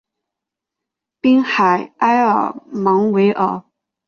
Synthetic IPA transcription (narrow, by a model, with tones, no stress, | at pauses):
pi˥ŋxa˨˩ɪʔa˥ɪə̰˞˨˩mɑ˧˥ŋwe˧˥ɪʔə˨˩˦